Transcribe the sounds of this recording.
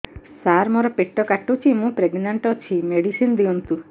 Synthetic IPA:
saɾmoɾɔpeʈːɔkaʈut͡ʃʰimũpɾeɡnaɳʈɔt͡ʃʰimeɽisind̪iɔnt̪u

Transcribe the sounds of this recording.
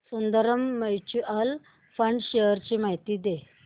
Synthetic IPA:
sund̪əɾəmːət͡ɕual | fəɳɖɕejəɾt͡ɕimaɦit̪iːd̪e

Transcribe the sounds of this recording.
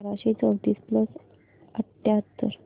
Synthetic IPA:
ɾaɕet͡səʋt̪iːspləs | əʈjat̪ːəɾ

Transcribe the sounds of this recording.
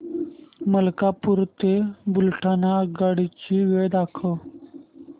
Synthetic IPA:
məlkapuɾt̪ebulʈʰanaɡaɽit͡ɕiʋed̪akʰə

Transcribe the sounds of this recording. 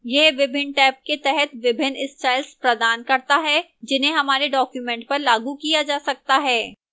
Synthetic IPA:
jeːʋɪbʱɪnʈɛːp̚ket̪ɛɦɛt̪ʋɪbʱɪnɪsʈaːɪlspɾɐd̪aːnkɐɾt̪aɦɛd͡ʒɪnɦẽɦɐmaːɾeɖɔːkjumɛ̃ːɳʈ̚pɐɾlaːɡukijad͡ʒaːsɐk̚t̪aɦɛː

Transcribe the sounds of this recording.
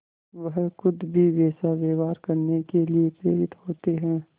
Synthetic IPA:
ʋɐɦxʊd̪bʱiʋeːsaʋeːʋaːɾkɐɾnekeliepɾeːɾɪt̪hoːt̪eɦɛ̃ː

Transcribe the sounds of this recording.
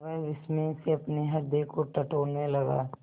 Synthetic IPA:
ad͡ʒɪsmẽɪseɐpneɦɐɾd̪ekoʈɐʈoːnmẽlɐɡa̰ː

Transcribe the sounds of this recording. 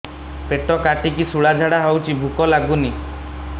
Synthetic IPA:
peʈɔkaʈik̬isuɭad͡ʒʱaɽaɦawt͡ʃʰibʱukɔlaɡuni

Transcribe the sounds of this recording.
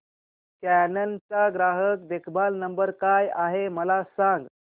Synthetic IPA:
kænənt͡saɡɾaɦək̚ʋekʰbalnəmbəɾkajaɦeməlasãŋɡ

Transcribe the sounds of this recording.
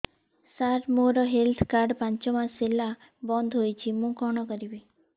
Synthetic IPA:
saɾmoɾɔɦelt̪ʰkaɾɖpãnt͡ʃɔmãsila | bɔnd̪ʱɦojt͡ʃʰimũkɔɽ̃ɔkɔɾibi

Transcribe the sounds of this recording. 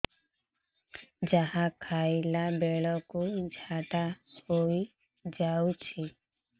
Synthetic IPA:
d͡ʒaɦakʰajlabeɭɔkud͡ʒʱat̪ahoj | d͡ʒawt͡ʃʰi

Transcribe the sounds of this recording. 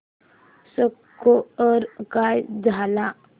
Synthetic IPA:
səkː | oəɾkajd͡zʱala

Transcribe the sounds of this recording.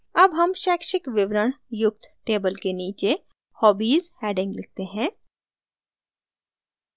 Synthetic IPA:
ɐbɦɐmʃɛːkʃɪkʋɪʋɾəɳ̃jʊk̚t̪ʈeːbəlkeniːt͡ʃe | hɔːbiːzhɛːɖɪ̃ŋɡlɪk̚t̪eɦɛ̃ː

